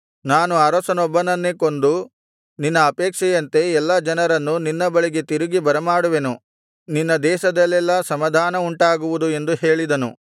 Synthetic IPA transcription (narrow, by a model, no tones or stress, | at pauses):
naːnuɐɾɐsɐnɔbːɐnɐnːekond̪u | ninːɐːpɛːkʂɛjɐnt̪e̞ɛlːɐd͡ʒɐnɐɾɐnːuninːɐbɐɭiɡe̞t̪iɾuɡibɐɾɐmaːɽuʋenu | ninːɐd̪ɛːʃɐd̪ɐlːɛlːɐsɐmɐd̪ʱaːnɐuɳʈaːɡuʋud̪ue̞nd̪uheːɭid̪ɐnṵ